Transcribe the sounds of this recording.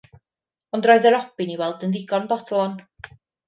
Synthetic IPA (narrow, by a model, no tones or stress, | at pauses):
ɔndrɔɨðəɾɔb̥ɪniwɛlˠdənðɪɡɔnbɔdlˠɔn